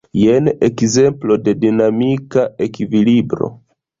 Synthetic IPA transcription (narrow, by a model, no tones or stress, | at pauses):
jenekze̞mplo̞de̞dinamikaʔe̞kivilibɾo̞̰